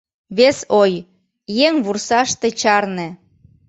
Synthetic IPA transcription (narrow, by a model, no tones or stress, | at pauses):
βesoj | jeŋβursɑʃt̪ĕt͡ɕɑrnĕ